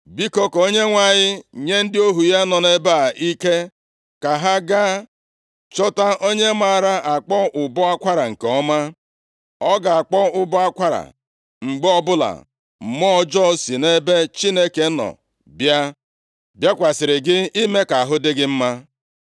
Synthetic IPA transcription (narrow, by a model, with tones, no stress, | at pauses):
bi˦ko˦ko˦ɲe˦ŋʷa˨ɲɪ˦ɲe˦n̩˦dɪ˦o˦ɦu˨ja˦nɔ˨ne˦ba˦˨i˦ke˦ | ka˨ɦa˦ɡa˦ | t͡ʃɔ˦ta˦ʔo˦ɲe˦ma˨ɾa˦ʔa˨k͡pɔ˦ʊ˨bɔ˦a˦kʷa˦ɾa˨ŋ̩˨ke˨ɔ˦ma˦ | ɔ˦ɡa˨a˨k͡pɔ˦ʊ˦bɔ˦a˦kʷa˦ɾa̰˨ | ŋ͡m̩˨ɡ͡bɔ˦bʊ˦la̰˨ | m̩˨mɔ˦d͡ʒɔ˦si˨ne˦be˦t͡ʃi˦ne˦ke˨˦nɔ̰˨ | bja˦ | bja˦kʷa˨sɪ˨ɾɪ˨ɡɪ˦i˦me˦ka˨a˨ɦʊ˦dɪ˦ɡɪ˦m̩˦ma˦